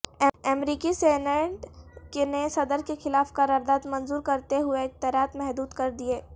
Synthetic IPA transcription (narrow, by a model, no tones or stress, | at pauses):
ɛmɾiːkiseːnə̃ʈkenesɐd̪əɾkexɪlaːfkaɾɐɾd̪aːd̪mɐ̃nzuːɾkɐɾt̪eɦʊek̚t̪ɛɾaːt̪mɛɦd̪uːd̪kɐɾd̪ieː